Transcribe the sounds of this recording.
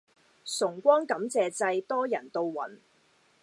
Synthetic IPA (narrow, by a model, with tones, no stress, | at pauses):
sʊ˨˩ŋkʷɔː˥ŋkɐ˨˥mt͡sɛː˨t͡sɐ˧jt̪ɔː˥jɐ̰˨˩nt̪o˧wwɐ̰˨˥n